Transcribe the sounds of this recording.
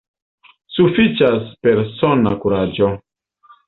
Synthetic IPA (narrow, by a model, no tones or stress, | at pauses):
sufit͡ʃaspe̞ɾsona̰kuɾad͡ʒo